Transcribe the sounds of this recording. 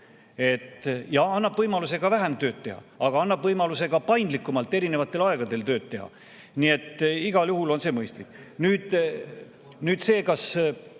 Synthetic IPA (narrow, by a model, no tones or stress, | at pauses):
e̞t̪jɑɑnːɑb̥vɤjmɑluse̞ɡ̥ɑvæɦe̞mt̪ø̞ːd̪̚t̪ːe̞ɦɑ̰ɑɡ̥ɑɑnːɑbvɤjmɑluse̞ɡ̥ɑpɑjnd̪likˑːumɑlt̪ːˑe̞ɾine̞vɑt̪ːˑe̞lɑe̞ɡɑd̪e̞lt̪øːt̪̚t̪ːe̞ɦɑ̰ | nie̞t̪ːˑiɡ̥ɑljuɦulo̞nse̞ːmɤjst̪lik | nyːd̪̥ | nyːd̪̥se̞ːkɑs